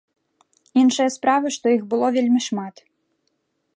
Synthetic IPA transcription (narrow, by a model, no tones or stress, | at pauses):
inʂɨjɐspɾavɨʂt̪ɔjixbɨlˠɔvʲelʲmʲiʂmat̪